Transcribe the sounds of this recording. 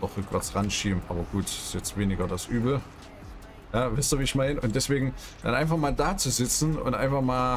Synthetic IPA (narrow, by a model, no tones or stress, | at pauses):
ɔχʁʏkv̥ɛ̰ɐt͡sʁanʃiːbm̩ʔa̰ːbɐɡ̥uːtɪ̥stjɛt͡stv̥eːnɪɡɐdasʔyːbl̩ | jaːvaɪstuːɐviːɪçmaɪnəʔʊntd̥ɛsv̥eːɡŋ̩ | d̥a̰nʔaɪnfaχmaːldaːt͡suzɪt͡sn̩ʊ̰ntʔa̰ɪnfaχmaːl